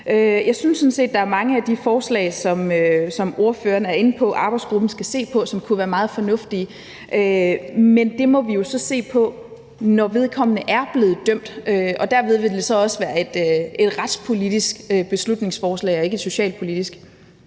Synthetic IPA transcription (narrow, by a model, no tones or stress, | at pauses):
øjɑ̈ɪsynsːɔ̽n̩se̝̰ːd̥ɑ̈æɐmɑ̈ŋəæd̥ifɒːslɛ̰ːɪsɒ̽møsɒ̽mo̝ɐfø̰ːɐnæɐe̝n̩pʰɒ̽ʔɑ̈ːb̥ɑ̈ɪdsɡ̥ʁub̥n̩sɡ̥æse̝̰ːpʰɒ̽sɒ̽mkʰuʋæːɐmɑ̈ːð̩ˠfɒ̽nɔ̽fd̥i | ʔømend̥e̝mɒ̽ʋijo̝sɒ̽se̝̰ːpʰɒ̽ | nɒʋe̝ð̞ˠkʰɒ̽m̰ənəʔæɐb̥le̝ːð̞̩ˠd̥øm̰d̥øɒ̽d̥æɐ̰ʋe̝ð̞ˠʋe̝d̥e̝sɒ̽ɒ̽səʋæːɐe̝d̥e̝d̥ʁɑd̥spʰo̝lid̥isɡ̥øb̥e̝slud̥ne̝ŋsfɒːslɛ̰ɪɒ̽e̝ɡ̥əed̥so̝ɕɛ̰ːlpʰo̝lid̥isɡ̥